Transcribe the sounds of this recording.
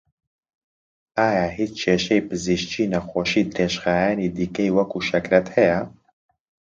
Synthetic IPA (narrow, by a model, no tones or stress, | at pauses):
aːjaːɦiːt͡ʃt͡ʃʰeːʃɛjpɨziʃt͡ʃiːnɐxoːʃiːd̪ɾeːʃxaːjaːniːd̪iːkɛjwɐkuːʃɛkɾɛt̪hɛjɛ